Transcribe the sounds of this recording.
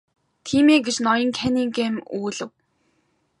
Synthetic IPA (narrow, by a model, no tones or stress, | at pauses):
t̪ʰiːmeːɡet͡ɕnɔjɞ̆ŋkʰæniŋɡemuːɮɘ̆w